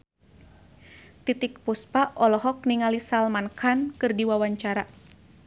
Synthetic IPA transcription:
t̪it̪ik̚puspaʔɔlɔɦɔk̚niŋalisalmankʰankɨrdiwawaɲt͡ʃaɾa

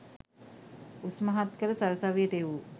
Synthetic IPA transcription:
usmaɦat̪kələsaɾəsaʋijəʈəeʋu

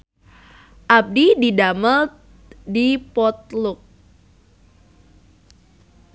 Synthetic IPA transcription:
ʔap̚dididaməl | dipɔt̪̚lʊk̚

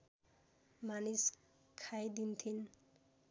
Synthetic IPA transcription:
manis | kʰajd̪int̪ʰin

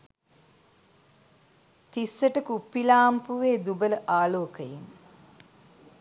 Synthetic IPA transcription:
t̪isːəʈəkupːilaːmpuʋeːd̪ubələʔaːloːkəjin

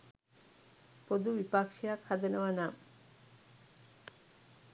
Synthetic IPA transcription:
pod̪ubipakʃijakʰad̪enowanam

